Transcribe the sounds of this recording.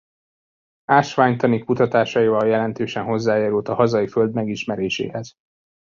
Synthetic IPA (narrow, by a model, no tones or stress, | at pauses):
aːʃʋaːɲt̪ɒnikːut̪ɒt̪aːʃɒjivɒljɛlɛnt̪øːʃɛnɦo̞zːaːjaːɾult̪ɒhɒzɒjiføld̪mɛɡiʃmɛɾeːʃḛːhɛz̥